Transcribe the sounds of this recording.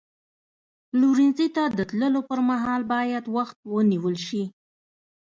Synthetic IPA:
luɾinzit̪ad̪ət̪ləlopəɾmaɦɑlbɑjad̪waxt̪̚wəniwəlʃi

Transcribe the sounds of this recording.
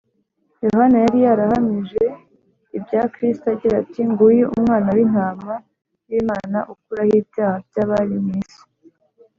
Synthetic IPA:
jo̞hanajaɾijaɾahamiʒe̞ | ibɟaːkɾistaɟiɾatiŋɡujuʔṵmŋaːnawin̥haːma | jiːmaːna̰ʔuk̚uɾahiːbjaːhabjaːβaɾimiːsi̥

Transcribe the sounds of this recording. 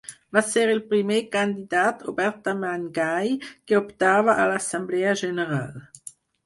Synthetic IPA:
vasɛːʁilpʁymjekɑ̃d̪id̪at̪ʰobɛʁt̪amanɡajkəɔpt̪aːvaʔalasɑ̃mblɛaʒeneʁal

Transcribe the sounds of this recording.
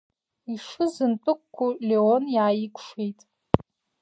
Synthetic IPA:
iʂɨzɨntʼɨkʷkʷʰːuleonjaːjikʷʰʼʂe̞jtʼ

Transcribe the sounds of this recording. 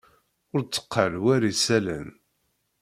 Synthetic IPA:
ʊɾt͡sːə̥qːəlwæɾisælæn

